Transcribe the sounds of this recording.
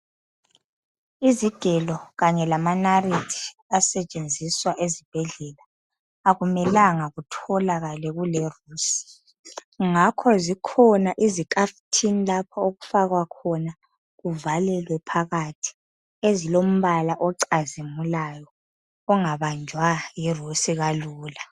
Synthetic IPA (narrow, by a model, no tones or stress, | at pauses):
iziɡ̥ʱɛlɔɣaɲɛlamanaritʰi̥asɛt͡ʃʼend͡zʱiswaʔezib̥ʱɛɮɛla | aɣumɛlaŋaɣutʰɔlaɣalɛɣulɛruːsi̥ | ŋakʰɔzikʰɔnaʔizikʰʼaftʰinilapʰaoɣufaɣwakʰɔna | ɣuvalɛlwɛpʰaɣatʰi̥ | ezilom̩βalaʔɔǀazimulajɔː | ŋaβand͡ʒʱwajirusiɣaluːla